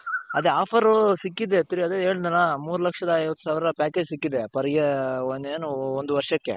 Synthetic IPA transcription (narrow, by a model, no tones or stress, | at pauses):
ɐd̪eaːpʰɐɾusikːid̪et̪uɾiɐd̪eeːɭid̪ɐnamuːɾulɐkʂɐd̪ɐːjʋɐt̪ːu̥saːʋiɾɐpaːkeːd͡ʒsikːid̪epɐɾɐɡeond̪eːnuond̪uʋɐɾʂɐkːḛ